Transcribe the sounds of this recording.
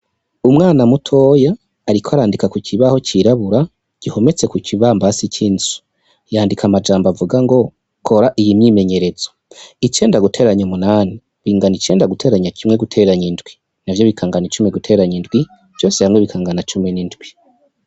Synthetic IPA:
umŋaːnamutʰo̞jaː | ɾikoaɾaːndikakuciβaho̞ciɾaβuɾa | ɟ̥iho̞me̞t͡se̞kuciβaːmbasicʰiːnzu̥ | jaːndikʰamad͡ʒaːmbavuɡaŋɡo̞ | kʰo̞ɾaʔijimɲiːme̞ɲe̞ɾe̞zoit͡ʃe̞ːndaɡutʰe̞ːɾaɲomunaːni | βiːŋɡanit͡ʃe̞ːndaɡutʰe̞ːɾaɲacʰimŋeɡutʰe̞ːɾaɲindɡwi | navjo̞βikʰaːŋɡanit͡ʃumiɡutʰe̞ɾaɲindɡwi | v̥jo̞ːsehamŋeβikʰaːŋɡanat͡ʃumenindɡwi

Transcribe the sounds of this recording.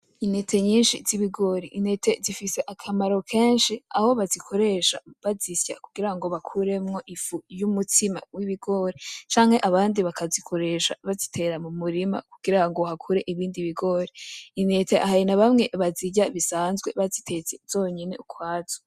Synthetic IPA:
ine̞tʰe̞ɲiːnʃiz̥iβiɡo̞ɾiʔine̞tʰe̞zifise̞ʔakʰamaɾo̞kʰe̞ːnʃiaho̞βazikʰo̞ɾe̞ʃaβazisja̰kuɡ̥iɾaŋɡo̞βakʰuɾe̞mŋo̞ʔifujumutʰima̰wiβiɡo̞ɾet͡ʃaːŋhe̞ʔaβaːndiβakʰazikʰo̞ɾe̞ʃa̰βazitʰe̞ɾamumuɾima̰kuɡ̥iɾaŋɡohakʰuɾe̞ʔiβiːndiβiɡo̞ɾeine̞teʔa̰hajinaβamŋe̞βaziɟaβisaːnzɡwe̞βazitʰe̞t͡sez̥o̞ːɲene̞̰ukʰwaːz̥o̥

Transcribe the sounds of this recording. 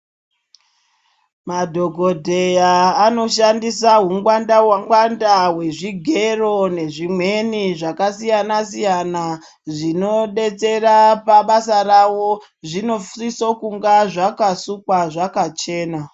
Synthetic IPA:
madʱo̞ɡʱo̞dʱe̞jaːno̞ʃandisaɦuŋɡwandawaŋwandawe̞ʐiɡʱe̞ro̞ne̞ʐimwe̞niʐakasijanasijana | ʐino̞ɗe̞t͡se̞ɾapaɓasarawo̞ | ʐino̞frisokuŋɡaʐakasukwaʐakat͡ʃe̞ːna

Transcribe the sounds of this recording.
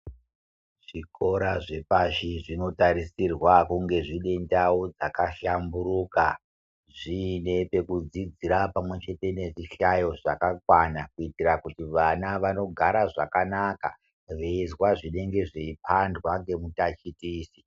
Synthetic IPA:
ʐ̥iko̞ɾaʐe̞paʃiʐino̞taɾisirwakuŋɡe̞ʐine̞ndaod͡zakaʃambuɾuka | ʐine̞pe̞kud͡zid͡ziɾapamwe̞t͡ʃe̞te̞ne̞ʐiʃajo̞ʐakakwanakuitirakutiʋanaʋano̞ɡʱaɾaʐa̰kanaka̰ | ʋeizwaʐine̞ŋɡe̞ʐiipʰandwaŋɡe̞mutat͡ʃitiːsi̥

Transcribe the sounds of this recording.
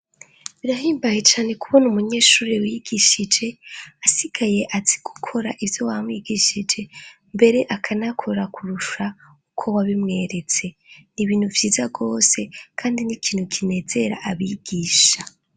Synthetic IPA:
βiɾaɦiːmbaje̞t͡ʃaːne̞kuβonumuɲe̞ːʃuːɾiwiɡiʃid͡ʒe̞asiɡ̥aje̞ʔaziɡ̥ukʰo̞ɾaʔivjo̞wamwiɡiʃid͡ʒe̞ | mbe̞ɾe̞ʔakʰanakʰo̞ɾakʰuɾuʃa | ukʰo̞waβimŋe̞ɾe̞t͡se̞ | niβiːn̥huvjiːzaɡo̞ːse̞kʰaːndinikʰiːnhukʰine̞ːze̞ɾa̰ʔaβiɡ̥iːʃa

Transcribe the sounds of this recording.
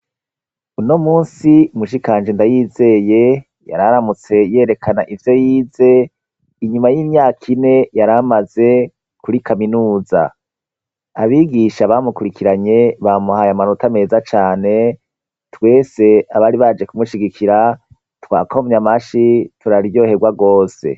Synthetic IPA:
unomuːnsiumuʃ̬ikaːnd͡ʒendajiːze̞ːje̞ | ja̰ɾaɾamut͡se̞je̞ːɾe̞kʰana̰ʔivjo̞jiːze̞ | iɲumajiːmɲaːkʰine̞jaɾamaze̞ | kuɾikʰaminuːza̰ | aβiɡiʃaβamukuɾikʰiɾaɲe̞βamuhajamanotame̞ːzat͡ʃaːne̞ | twe̞ːse̞aβaɾiβad͡ʒe̞kumuʃiɡikʰiɾa | twa̰ːkomɲamaʃitʰuɾaɾijo̞ːhe̞ɡwaɡo̞ːse̞̰

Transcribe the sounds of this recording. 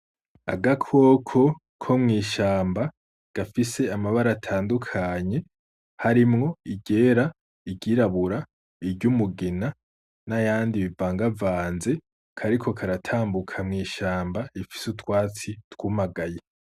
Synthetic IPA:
a̰ɡakʰo̞ːkʰo̞ | kʰo̞mŋiːʃaːmba | ɡ̥afise̞amaβaɾatʰaːndukʰaɲe̞ | haɾimŋo̞iɟe̞ːɾa | iɟiːɾaβuɾa | iɾɟumuɡina | najaːndiβivaːŋɡavaːnze̞ | kʰaɾikʰo̞kʰaɾatʰaːmbukʰamŋiːʃaːmbaifi̥sutwaːt͡sitwumaɡaje

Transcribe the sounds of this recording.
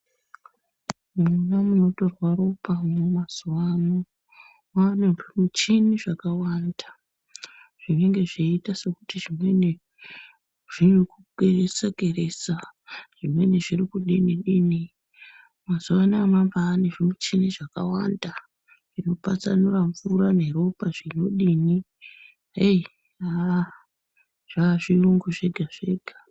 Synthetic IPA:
munamuno̞to̞rwaropamomaz̥uwano | maneʐimut͡ʃiniʐakawanda | ʐ̥ineŋɡe̞ʐiitase̞kutiʐimwene | ʐ̥inukuɡʱeresaɡʱere̞saʐ̥imwe̞neʐirikuɗiniɗiːni | mazuʋanamambaːneʐimut͡ʃiniʐakawanda | ʐ̥ino̞pat͡sanuraɱvuɾane̞ɾo̞paʐino̞ɗini | e | a | ʐ̥aʐiruŋɡuʐe̞ɡʱaʐ̥e̞ːɡʱa

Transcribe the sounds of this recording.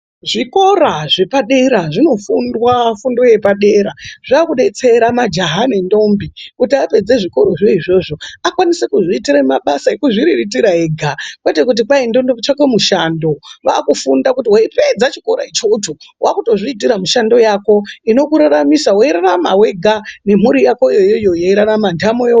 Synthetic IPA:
ʐiko̞ɾaʐe̞paɗe̞ɾaʐino̞fundwafundoje̞paɗe̞ɾaʐ̥iakuɗe̞t͡se̞ɾamad͡ʒaɦanendo̞mbikutiape̞d͡ze̞ʐiko̞ɾoʐo̞iʐo̞ʐo̞akwanisekuʐiːtiɾaimaɓasaekuʐiɾiritiɾaeːɡʱakwe̞te̞kut̬ipaindondot͡ʃake̞muʃando̞ʋaːkufundakutiwaipe̞d͡zat͡ʃikoɾa̰it͡ʃotuwakuto̞ʐiitiɾamuʃando̞jako̞ino̞kuɾaɾamisawoiɾarama̰we̞ɡʱane̞muɾijakojojojo̞jeiɾaɾamandamojo

